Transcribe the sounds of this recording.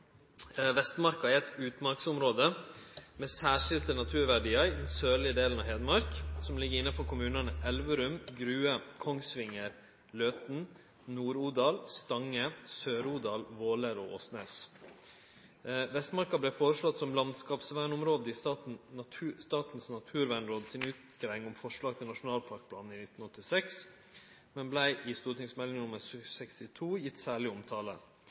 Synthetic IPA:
ʋɛst̪mɑɾkɑæɾɛt̪ʉːt̪mɑɾksʊmɾoːd̪əmɛsæːʂɪlt̪ənɑt̪ʰʉːɾʋæɖiːəɾd̪ɛnsøːlɪəd̪eːlənɑɦeːd̪mɑɾksɔmlɪɡːəɾɪnːɑfɔɾkʰʊmʉːnɑnəʔɛlʋəɾʉmɡɾʉːəkʰɔŋsʋɪŋəɾ | løːt̪n̩ | nuːɾuːd̪ɑːlst̪ɑŋːəsøːɾuːd̪ɑːlʋoːləɾɔʔɔ̰ːsnḛːs | ʋɛst̪mɑɾkɑblɛfoːɾəʂlɔt̪ːsɔmlɑnd̪skɑːpsʋæːɳɔmɾoːd̪əɪn̩st̪ɑːt̪n̩snɑt̪ʰʉːɾʋæːɳɾoːd̪sɪnʉːt̪ɡɾɛŋɔmfɔʂɭɑːɡ̚t̪ʰɪlnɑʂʊnɑːlpʰɑɾk̚pʰlɑːn̩iːnɪt̪n̩ɔt̪ːɪsɛks | mɛnblæɪʔɪst̪uːʈɪŋsmɛlɪŋnʊmːəɾsœsɛkst̪ɪt̪ʰuːjɪt̪ːsæːɭɪɔmt̪ʰɑːlə̰

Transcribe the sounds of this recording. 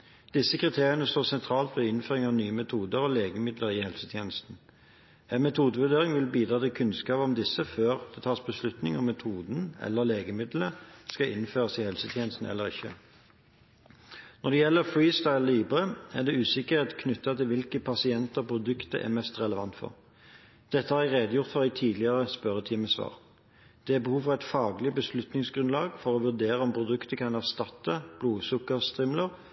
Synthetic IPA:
d̪̥ɪsːəkʰʁɪt̪ʰeːʁɪənəst̪oːsɛnt̪ʰʁɑːlt̪ʋɛɪnføːʁɪŋɑʋnyːəmɛt̪ʰuːd̪əʁɔːleːɡəmɪd̪ləɾɪhɛlsət̪ʰjeːnəst̪n̩ | ɛɪnmɛt̪ʰuːd̪əʋʉʁd̪eːʁɪŋʋɪlbiːd̪ʁɑːt̪ɪkʰʉnskɑːpɔmd̪ɪsːəføːʁd̪̥ɛt̪ʰɑːʁsbəslʉt̪nɪŋɔmːɛt̪ʰuːd̪n̩ɛ̰lːəʁleːɡəmɪd̪ləskɑʔɪnføːʁəsɪhɛlsət̪ʰjeːnəst̪n̩ɛ̰lːəʁɪ̰çːə̰ | nɔʁd̪ɛjɛlːəfɹiːst̪ɑɪlliːbəʁəæʁd̪ɛʉːsɪkəʁet̪kʰnʉt̪ːɑt̪ɪlʋɪlkəpʰɑsɪɛnt̪əʁpʰɾʊd̪ʉkt̪əʔɛ̰mɛst̪ʁɛləʋɑnt̪fɔ̰ʁ | d̪̥ɛt̪ːəhɑːʁæɪʁeːd̪əjʊʁt̪fɔʁæɪt̪ʰiːd̪lɪəʁəspœʁət̪ʰiːməsʋɑ̰ːʁ | d̪̥ɛæbəhuːʋfɔʁæɪt̪fɑːɡlɪbəslʉt̪nɪŋsɡʁʉnlɑːɡfɔʁoːʋʉʁd̪eːʁəɔmpʰʁʊd̪ʉkt̪əkʰɑnæʁst̪ɑt̪ːəb̥luːsʊkːəʁst̪ʁɪmləʁ

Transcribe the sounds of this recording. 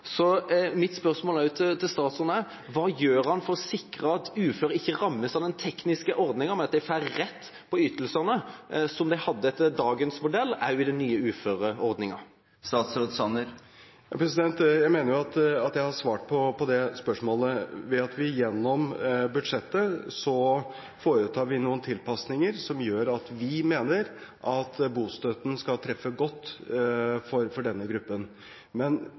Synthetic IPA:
sɔmɪt̪spœʁsmoːlæʊt̪ʰɪt̪ʰːɪlst̪ɑːt̪sɔnə | ʋɑːjøːɾhɑnfɔɾɔsɪkɾəɑt̪ʉːføːɾəɪçːəɾɑmːəsɑʋd̪ɛnt̪ʰɛknɪskəʔɔɾd̪nɪŋəmɛnɑt̪̚d̪æɛfæɾɾɛt̪ː | pʰɔʏt̪ːəlsənəsɔmd̪æɪhɑd̪ːəɛt̪ːd̪ɑːɡənsmʊd̪ɛlːæʊɪd̪ɛnːyːəʉːføːɾəɔɾd̪nɪŋɑ̰ | st̪ɑːt̪sɾoːd̪sɑnəɾ | jɑpʰɾɛsɪd̪ɛnt̪jæɪmeːnəɾjʊɑt̪ɑt̪jæɪhɑʂʋɑːʈ̚pʰɔpʰɔd̪ɛspœʂmoːləʋɛɑt̪ʋɪjɛnːɔmbʉd̪ʂɛt̪ːəsɔ | foːɾət̪ʰɑːɾʋɪnuːənt̪ʰɪlpɑsnɪŋəɾsɔmjøːɾɑt̪ʋɪmeːnəɾʔɑt̪buːst̪øt̪n̩skɑlt̪ʰɾɛfːəɡɔt̪ː | fɔɾfɔɖɛnːəɡɾʉpːən | mɛn

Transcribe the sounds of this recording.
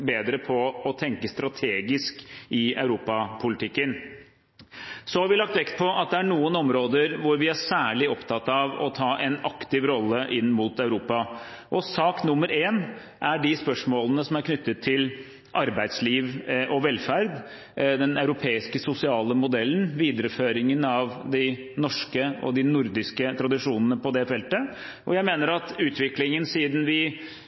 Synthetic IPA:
beːd̪ɾəpʰɔɔt̪ʰɛŋkəst̪ɾɑt̪ʰeːɡɪskɪœʉɾuːpɑpʰʊlɪt̪ʰɪkːən | sɔhɑɾʋɪlɑk̚t̪ʋɛkt̪̚pʰɔʔɑt̪̚d̪ɛæɳuːənɔmɾoːd̪əɾʋʊɾʋɪæsæːɭɪɔpt̪ʰɑt̪ːɑʋɔ̰t̪ʰɑːʔɛnɑkt̪ɪʋɾɔlːəʔɪnːmuːt̪ɑʉɾuːpɑ | ʔɔsɑːknʊmːəɾeːn | ʔæɖɪspœʂmoːlənəsɔmæɾkʰnʏt̪ːət̪ʰːɪl | ʔɑɾbæɪd̪sliːʋʔɔʋɛlfæɾd̪ | d̪ɛnɑʉɾʊpʰeːɪskəsʊsɪɑːləmʊd̪ɛlːənʋiːd̪əɾəføːɾɪŋənɑʋd̪ɪ | nɔʂkəɔ̰d̪ɪnʊɾd̪ɪskət̪ʰɾɑd̪ɪʂuːnənəpʰɔd̪ɛfɛlt̪ə | ʔɔjæɪmeːnəɾɑt̪ʉːt̪ʰʋɪklɪŋənsiːd̪n̩ʋɪ

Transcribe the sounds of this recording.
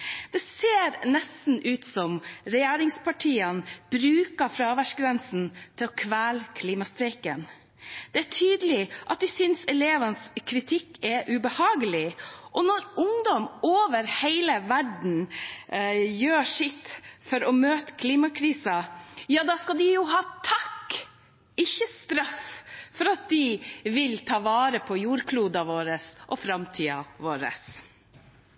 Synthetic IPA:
d̪̥ɛseːɾnɛst̪n̩ʉːt̪sɔmɾɛjæːɾɪŋspʰɑʈʰiːənb̥ɾʉːkɑfɾɑʋæʂɡɾɛnsn̩t̪ʰɪlɔkʰʋæːlkʰliːmɑst̪ɾɛɪkən | d̪̥ɛæʈʰyːd̪əlɪʔɑt̪̚ʋ̪ɪsʏnsɛleːʋənəskʰɾɪt̪ʰɪkːɛʔʉbəhɑːɡəlɪʔɔnɔɾʊŋd̪ɔmoːʋəɾheɪləʋæɖɳ̩ | jøːʂɪt̪ːfɔɾɔmøːt̪ə̥kʰliːmɑkʰɾiːsɑjɑːd̪ɑːskɑld̪ɪjʊɦɑːt̪ʰɑkː | ɪçːəst̪ɾɑffɔɾɑt̪̚d̪ɪʋɪlt̪ʰɑːʋɑːɾəpʰɔjuːɾkʰluːd̪ɑʋoːɾəsʔɔfɾɑmt̪ʰiːɑ̰ʋoːɾə̰s

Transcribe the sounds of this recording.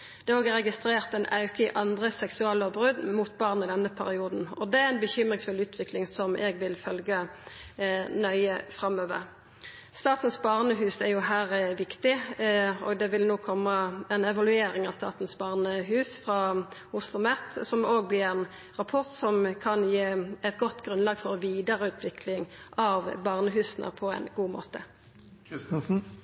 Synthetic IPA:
d̪̥ɛæoːɡɛʁɾɛɡɪst̪ɾeːʁt̪ɛnɑʉkəɪʔɑnd̪ʁəsɛksʉɛlːəbʁʉd̪mʊt̪bɑʁnəɪd̪ɛnːəpʰæɾɪuːd̪n̩ɔd̪ɛæɛnbəçʏmʁɪŋsfʉlʉːt̪ʰʋɪklɪŋsɔmɛɡʋɪlfœlɡə | nœʏəfɾɑmøːʋə̰ʁ | st̪ɑːt̪n̩sbɑʁnəɦʉːsæʁjʊɦæːɾʋɪkt̪ɪ | ɔ̰ɡd̪ɛʋɪlnoːkʰɔmːəɛnɛʋɑlʉeːɾɪŋɑʋst̪ɑ̰ːt̪n̩sbɑːʁnəɦʉːsfʁɑʊslʊmɛt̪sɔmoːɡ̚blɪʁɛn | ʁɑpʰɔʁt̪sɔmkʰɑnjeːɛt̪ɡɔt̪ːɡʁʉnlɑːɡfɔʁɔʋiːd̪əʁəʉːt̪ʰʋɪkʰlɪŋʔɑʋbɑʁnəɦʉːsən̩ʔə̰pʰɔɛ̰ɪnɡuːmo̰ːt̪ə | ɪst̪ənsn̩

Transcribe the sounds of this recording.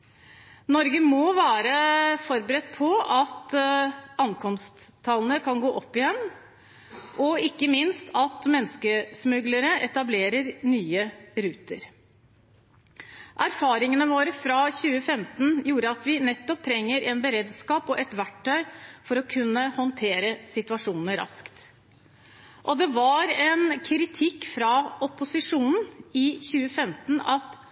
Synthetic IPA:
nɔɾɡəmɔʋæːɾəfɔɾbəɾɛt̪̚ːpʰɔɑt̪ | ɑnkʰɔmst̪ʰːɑlənəkʰɑnɡoːʔɔpːɪjɛnː | ʔɔɪkːəmɪnst̪ʰɑt̪mɛnːskəsmʉɡləɾəʔɛt̪ɑbleːɾəɾnyːəɾʉːt̪əɾ | ʔæɾfɑːɾɪŋənəʋoːɾəfɾɑçʉːəfɛmt̪n̩juːɾəɑt̪ʋɪnɛt̪ːɔp̚t̪ʰɾɛŋːəɾʔɛnbəɾeːd̪skɑːpɔʔɛt̪ʋæʈʰːœʏfɔɾɔkʰʉnːəhɔnt̪ʰeːɾəsɪt̪ʉɑʂuːnn̩əɾɑ̰skt̪ | ʔɔd̪ɛʋɑɾɛnkʰɾɪt̪ʰɪkːfɾɑɔpʊsɪʂuːnn̩ɪçʉːəfɛmt̪n̩ɑt̪

